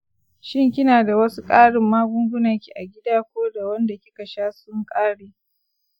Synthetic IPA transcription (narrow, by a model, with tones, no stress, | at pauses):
ʃɪ˦ŋkʲɪ˦naː˨da˨wɐ˦su˦kʼaː˦ɽɪ˨mːaː˦ɡʊ˦ŋɡʷʊ˦nɐ˨ŋkʲi˨ʔa˨ɡʲɪ˦daː˦kʷoː˦da˨wɐ˦nda˨kʲɪ˦ka˨ʃaː˦sʊ˦ŋkʼaː˦ɽeː˨